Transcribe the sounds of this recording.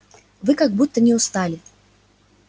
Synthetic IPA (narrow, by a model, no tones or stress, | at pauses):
vɨkaɡ̚but̪ːənʲɪʊst̪alʲɪ